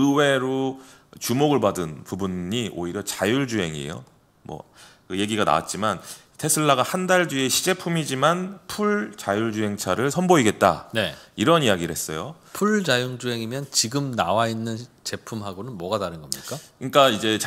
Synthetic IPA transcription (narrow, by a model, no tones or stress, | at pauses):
ɯwe̞ɾo | t͡ɕumoɡɯɭbadɯnpubuɲɲiʔo̰iɾjʌt͡ɕajuɭd͡ʑuɦe̞ŋḭjo̰ | mwʌ̰ | kɯje̞ɡiɡana̰wa̰t̚t͡ɕ͈iman | tʰe̞sʰɯɭːaɡahandaɭdɥie̞ɕʰid͡ʑe̞pʰumid͡ʑimanpʰuɭt͡ɕajuɭd͡ʑuɦe̞ŋt͡ɕʰaɾɯɭsʰʌnboiɡe̞t̚t͈a̰ne̞iɾʌnijaɡiɾɯhe̞s͈ʌjo | pʰuɭd͡ʑajuŋd͡ʑuɦe̞ŋimjʌnt͡ɕiɡɯmnawainːɯnt͡ɕe̞pʰumɦaɡonɯnmwʌɡataɾɯnɡʌmɲik͈akɯɲik͈aid͡ʑe̞t͡ɕ